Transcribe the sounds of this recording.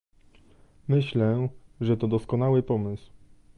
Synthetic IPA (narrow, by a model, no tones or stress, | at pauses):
mɘɕlɛʐɛt̪ɔd̪ɔskɔnawɘpɔmɘsw